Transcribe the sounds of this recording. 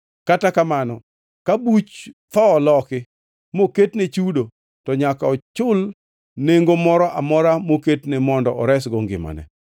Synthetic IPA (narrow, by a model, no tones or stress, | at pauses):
katakamanɔ | kabut͡ʃt̪ɔːlɔkɪ | moketnet͡ʃudo | tɔɲakaɔt͡ʃʊl | neŋɡomɔɾɔʔamɔɾamoketnɛmɔndɔʔɔɾɛsɡɔŋɡɪ̰ma̰nɛ̰